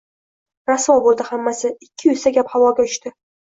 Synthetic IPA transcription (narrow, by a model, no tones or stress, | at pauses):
ɾaswɒbolˠd̪ɪhamːasɪɪkʲʰːɪʊsaɡʲaphavɒɡʲaʊʃt̪ɪ